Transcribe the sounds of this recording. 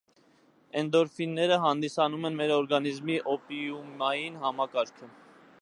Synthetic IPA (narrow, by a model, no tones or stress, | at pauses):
ɛnd̪ɔɾfinːɛɾəɦɑnd̪isɑnumɛnmɛɾɔɾɡɑnizmiʔɔpiumɑjinɦɑmɑkɑɾkʰə